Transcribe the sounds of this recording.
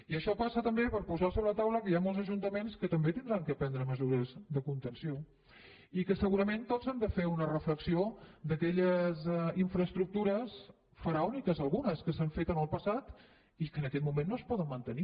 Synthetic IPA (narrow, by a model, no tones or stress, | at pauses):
iəʃɔpasət̪əmbepəɾpuzasoβɾələt̪awləkəjamolˠzəʒunt̪əmenskət̪əmbet̪ind̪ɾaŋkəpɛnd̪ɾəməzuɾəzðəkunt̪ənsio | ikəsəɣuɾəment̪ozand̪əfeunərəfləksiod̪əkɛʎəziɱfɾəːst̪ɾuk̚t̪uɾəs | fəɾaɔnikəzəlˠɣunəskəsaɱfet̪ənəlˠpəsat̪ | ikəːnəkɛt̪mumenːoəspɔðənmənt̪əni